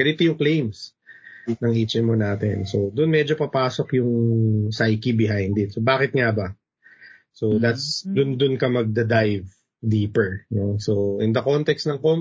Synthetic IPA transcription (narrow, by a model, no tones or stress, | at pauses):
ɐɾɪt̪ojʊŋklejms | nɐŋʔit͡ʃɛnmonaːt̪ɛ̰nso̞d̪ʊnmɛd͡ʒopɐpaːso̞kjʊŋsajkibɪɦajnd̪ɪt̪̚sobaːkɪt̪̚ŋabɐ | so̞d̪at̪sd̪ʊnd̪ʊnkɐmɐɡ̚d̪ɐd̪ajv | d̪iːpɛɹnosoʔɪnd̪ɐkont̪ɛkst̪nɐŋkom